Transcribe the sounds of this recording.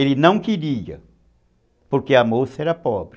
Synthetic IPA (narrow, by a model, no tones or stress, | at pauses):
elɪnɐ̃w̃kiɾiɐ̰ | poɾkeɐmosɐɛɾɐpɔbɾ